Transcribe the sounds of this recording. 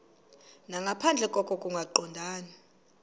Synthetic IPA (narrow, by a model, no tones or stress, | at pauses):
naŋɡʱapʰand͡ɮʱɛkʼɔkʼɔkʼuŋɡʱaǃɔndʱaːna